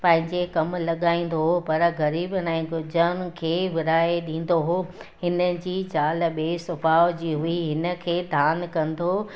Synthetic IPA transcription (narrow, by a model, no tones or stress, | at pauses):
pɐ̃ɦɪ̃ɲd͡ʑekɐmlɐɠaːĩːn̆d̪oɦopɐɾɣɐɾiːbnaẽɡʊd͡ʑənkʰeːʋɪɾaːeɗĩːn̆d̪oɦoːɦɪnə̆d͡ʑiːd͡ʑaːlɓeːsʊbaːd͡ʑiːɦuiɦɪnə̆kʰeːd̪ʱaːnkɐ̃nd̪o